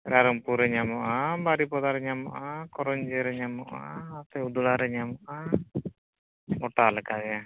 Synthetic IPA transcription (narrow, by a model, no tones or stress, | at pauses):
ɾaɾɔmpuɾɛɲamɔʔabaɾipɔd̪aɾɛɲamɔʔakɔɾɔɲd͡ʒeɾɛɲamɔʔa̰ːt̪ɛud̪ulaɾɛɲamɔʔa | ɡɔʈːalɛkaɡɛ